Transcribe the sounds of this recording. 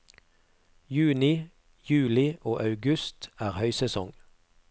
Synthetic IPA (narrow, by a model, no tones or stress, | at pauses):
jʉːnɪ | jʉːlɪʔoːʔɑʉɡʉst̪æːʁhœʏsɛsɔŋ